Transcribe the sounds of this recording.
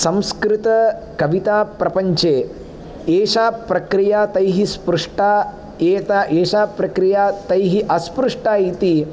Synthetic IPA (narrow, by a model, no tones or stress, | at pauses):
sɐ̃mskɾit̪ɐ | kɐʋit̪aːpɾɐpɐɲt͡ʃeː | eːʃaːpɾɐkɾijaːt̪ɐjɦispɾuʂʈaː | eːt̪aʔeːʃaːpɾɐkɾijaːt̪ɐjɦiʔɐspɾuʂʈaːit̪i